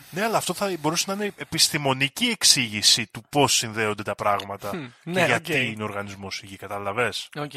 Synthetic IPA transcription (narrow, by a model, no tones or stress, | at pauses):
ne̞ɐlɐːft̪o̞θɐbo̞ɾusenɐineepist̪imo̞nicie̞ksiʝisit̪upo̞sːinðe̞o̞nd̪et̪ɐpɾɐɣmɐt̪ɐceʝɐt̪inoɾɣɐnizmo̞siʝikɐt̪ɐlɐve̞so